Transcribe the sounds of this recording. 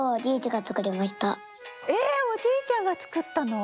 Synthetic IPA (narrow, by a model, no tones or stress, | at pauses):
oɾʲiːt͡ɕiɡat͡sɨ̥kɯ̟ɾʲimaɕi̥t̪a | eːo̞d͡ʑiːt͡ɕãŋɡat͡sɨ̥kɯ̟t̪ːano̞